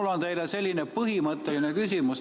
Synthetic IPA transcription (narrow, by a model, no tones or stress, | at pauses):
lːont̪e̞jlese̞lʲːinepɤɦimɤt̪ːˑelinekysimus